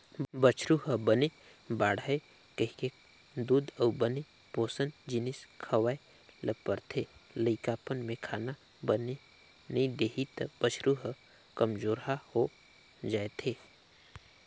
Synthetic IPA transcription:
bət͡ʃʰɾuɦəbəne | baːɽae | kəɦike | d̪uːd̪əbəne | poːsənd͡ʒɪnɪskʰəwae | ləpəɾt̪ʰeləikaːpənmẽkʰaːna | bəne | nɐĩd̪eːɦit̪b̥ət͡ʃʰɾuɦə | kɐmd͡ʒoːɾɦaho | d͡ʒaːet̪ʰeː

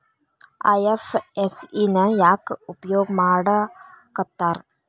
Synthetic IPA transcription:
ɐ̰jefesinɐjaːkɨupɐjoːɡɐmaːɽɐkɐt̪ːaːr

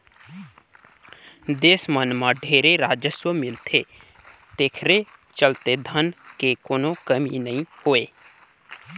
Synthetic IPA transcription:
d̪eːsmənmãɖʱeːɾeɾaːd͡ʒəswəmɪlt̪ʰe | t̪eːkʰɾet͡ʃəlt̪ed̪ʱənkekoːnõkəminəĩhoːeː

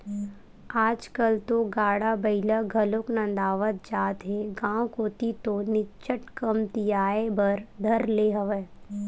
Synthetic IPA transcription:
aːd͡ʒkəlt̪oɡaːɽabɐɪlaɡʱɐloknə̃nd̪aːʋət̪̚d͡ʒaːt̪ɦẽɡãːwkoːt̪it̪onɪt͡ʃəʈkəmt̪ijaːebɐɾd̪ʱɐɾleːɦɐʋeː

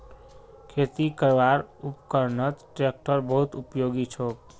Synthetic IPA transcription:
kʰet̪ikəɾʋaɾupkəɾnət͡ʃʈɾek̚ʈəɾbəɦut̪upjoɡit͡ʃʰok

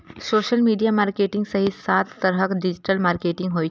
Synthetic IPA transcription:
soɕəlmiɖijamaɾkeʈiŋɡsəɦisat̪ːəɾɦəkɖid͡ʑiʈəlmaɾkeʈĩŋɡɦoj

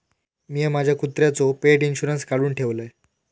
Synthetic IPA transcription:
mijemad͡ʑʱjakut̪ɾjat͡sopeʈinɕuɾənskaɽuːnʈʰeʋləe

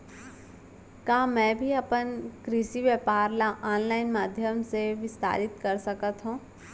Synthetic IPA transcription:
kaːmɛ̃ːbʱiɐpənkɾɪsiʋjəpaːɾlaʔaːnlaːɪnmaːd̪ʱjəmseʋɪst̪a̰ːɾɪt̪kɐɾsɐkət̪ɦũː

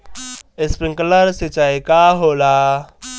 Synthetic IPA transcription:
ɪspɾɪ̃ŋkələɾsit͡ʃaikaɦoːlaː

